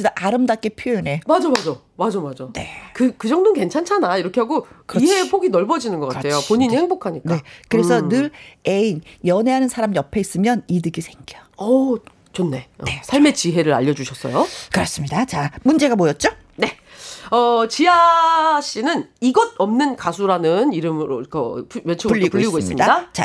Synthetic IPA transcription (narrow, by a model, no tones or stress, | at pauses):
idaʔaɾɯmdak͈epʰjonɦe̞mad͡ʑomad͡ʑo | mad͡ʑomad͡ʑone̞̰kɯkɯd͡ʑʌŋdonke̞nt͡ɕʰant͡ɕʰanaiɾʌkʰe̞ɦaɡokɯiɦepʰoɡinʌɭbʌd͡ʑinɯnɡʌk͈aɾʌtʰejopoɲiɲiheŋbokʰaɲik͈ekɯɾesʰʌnɯɾeinjʌne̞ɦanɯnsʰaɾamjʌpʰe̞is͈ɯmjʌnidɯɡisʰe̞ŋɡiʌʌ | t͡ɕonːe̞ʌne̞sʰaɭme̞t͡ɕiɦe̞ɾɯɾa̰ʎːʌd͡ʑuɕʰʌs͈ʌ̰jokɯɾʌs͈ɯmɲidat͡ɕamund͡ʑe̞ɡamojʌt̚t͡ɕ͈o | ne̞ʌt͡ɕiaɕ͈inɯniɡʌd̚ʌmnɯnkasʰuɾanɯniɾɯmɯɾokʌ̰pʰmet͡ɕʰepuʎːiɡoiːis͈ɡoimsɯimɲdadat͡ɕa̰